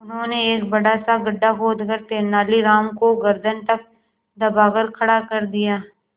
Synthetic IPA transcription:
ʊnɦõːneeːk̚bɐɽasaɡɐɖːakoːd̪ɡəɾt̪eːnaːliɾaːmkoɡɐɾd̪ʱənt̪ɐk̚ | d̪ɐbaːɡəɾkʰɐɽakɐɾd̪ijaː

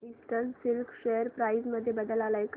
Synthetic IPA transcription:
isʈəɾsilkɕejəɾpɾaizməd̪ʱːjebəd̪əlalajk

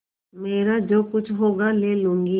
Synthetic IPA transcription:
meːɾad͡ʒoːkʊt͡ʃʰɦoːɡaleːlũːŋɡi

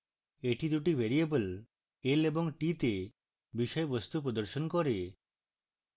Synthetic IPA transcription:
eʈid̪uʈibʱeɾiebəl | elebɔŋʈit̪e | biʃɔjebɔst̪upɾɔd̪ɔɾʃɔnkɔɾe

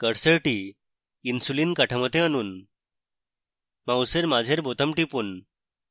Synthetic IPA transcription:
kəɽsəɭʈiː | nsuliːnkaʈʰəmət̪ẽanuːn | mawseɾmad͡ʑʱeɾbʱot̪əmʈipuːn

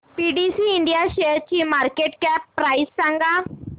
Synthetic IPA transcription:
piɖisiːɳɖijaɕeɾt͡ɕimaɾkeʈkɛpːɾaisːãŋɡa

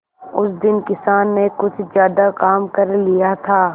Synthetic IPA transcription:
ʊsd̪ɪnkɪsaːnːekʊt͡ʃʰzjaːd̪akaːmkɐɾlijat̪ʰaː

